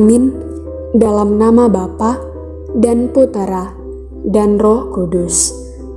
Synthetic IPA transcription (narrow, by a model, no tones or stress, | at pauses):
mɪn | dalamnamabapa | danput̪ɾa | danrɔhkudʊs